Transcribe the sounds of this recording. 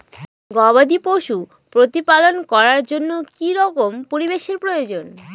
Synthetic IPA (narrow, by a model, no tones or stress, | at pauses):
ɡɔbad̪ipoʃu | pɾot̪ipalonkɔɾaɾd͡ʑonːokiɾɔkompoɾibeʃeɾpɾojod͡ʑon